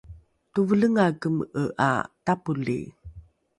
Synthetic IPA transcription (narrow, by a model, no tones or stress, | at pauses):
tuvələŋakəməʔa̰tapulḭ